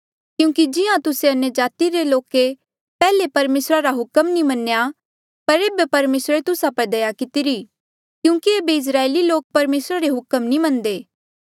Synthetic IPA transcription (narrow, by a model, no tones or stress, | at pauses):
kjũːkid͡ʒɪãt̪ʊseɐnjəd͡ʒaːt̪iɾeloːke | pɛːlepɐɾmeːsɾaɾaɦʊkəmnĩmɐnːeja | pɐɾeːbepɐɾmeːsɾet̪ʊsapɐɾd̪ɐjakɪt̪iɾi | kjũːkieːbeɪs̬ɾaːeliloːk̚pɐɾmeːsɾaɾeɦʊkəmnĩmɐ̃nd̪eː